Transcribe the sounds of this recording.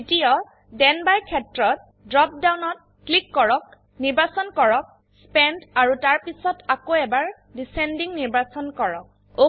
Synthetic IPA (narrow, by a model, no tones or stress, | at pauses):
itiɔ | dɛnbajkʰɛtɹɔt | dɹɔp̚dawnɔt̚ | klikːɔɹɔk̚ | niɹbasɔnkɔɹɔk̚ | spɛndaɹutaɹpisɔtʰakoɛbaɹ | disɛndiŋniɹbasɔnkɔɹɔk̚ | o